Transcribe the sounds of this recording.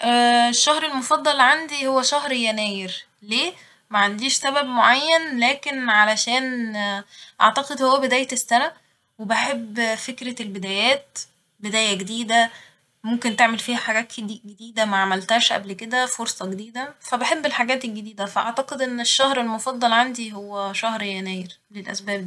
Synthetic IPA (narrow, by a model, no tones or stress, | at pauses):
ʔæeʃːæhɾelmofɑd̪ˤːɑlʕand̪ihowːæʃæhɾjænæːjeɾ | leː | mæʕand̪iːʃsæbæbmoʕajːænlæːkenʕalæʃæːn | ʔɑ̰ʕt̪ɑqed̪howːæbed̪æːjet̪esːænæ | webeħebːfekɾælbed̪æːjæːt̪ | bed̪æːjæɡed̪iːd̪æ | momkent̪eʕmelfiːhæħaɡæːt̪d̪iɡed̪iːd̪æmæʕamælt̪æːʃʔæ̰blked̪æfoɾsˤɑɡed̪iːd̪æfæbeħebːelħaɡæːt̪elɡed̪iːd̪æfæʔɑ̰ʕt̪ɑqed̪ʔenːeʃːæhɾelmofɑd̪ˤːɑlʕand̪iɦowːæʃæhɾjænæːjeɾ | lelʔæ̰sbæːb̚d̪iː